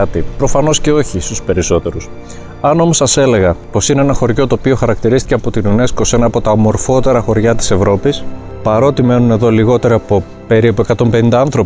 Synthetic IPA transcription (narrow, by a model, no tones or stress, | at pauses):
ɐt̪ipɾo̞fɐno̞sce̞o̞çist̪uspe̞ɾiso̞t̪e̞ɾus | ɐno̞mo̞sɐse̞le̞ɣɐpo̞sineenɐxo̞ɾʝo̞t̪oːpio̞xɐɾɐk̚t̪iɾist̪iceɐpo̞t̪inune̞sko̞se̞nɐːpo̞t̪ɐomo̞ɾfo̞t̪e̞ɾɐxo̞ɾʝɐt̪i̥se̞vɾo̞pis | pɐɾo̞t̪ime̞nune̞ðo̞liɣo̞t̪e̞ɾɐpo̞ | pe̞ɾipue̞kɐt̪o̞mpe̞nind̪ɐɐnθɾo̞